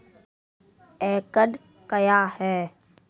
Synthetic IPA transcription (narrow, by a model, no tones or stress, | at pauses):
eːkəɗ | kəjaːhɛː